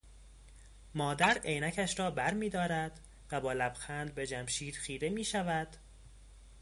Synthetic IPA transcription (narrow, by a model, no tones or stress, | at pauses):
mɒːd̪æɾejnæcʰæʃɾɒːbæɾmiːd̪ɒːɾæd̪ | væbɒːlæbxæːnd̪̚be̞d͡ʒæmʃiːd̪̥xiːɾemiːʃævæd̪̥